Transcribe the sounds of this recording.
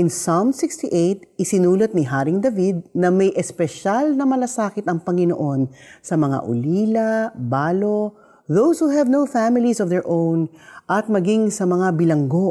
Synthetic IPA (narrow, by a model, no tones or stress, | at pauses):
ʔɪnsamsɪkst̪iʔejt̪̚ɪsɪnuːlɐt̪̚niɦaːɾɪŋd̪ɐvid̪̚nɐmɐjʔɛspɛʃalnɐmɐlɐsaːkɪt̪ɐŋpɐŋɪno̰ʔo̞nsɐmɐŋa̰ʔʊ̰liːlɐbaːlo̞ | ðowshuɦɛvnowfæmɪlisɔvðɛɹʔõwnʔɐt̪̚mɐɡiŋsɐmɐŋabɪlɐŋɡo̞